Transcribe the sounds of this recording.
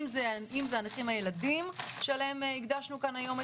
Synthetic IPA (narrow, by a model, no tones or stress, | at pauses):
zeimzeaniχimhaje̞ladimʃealehemiɡdaʃnukanajo̞me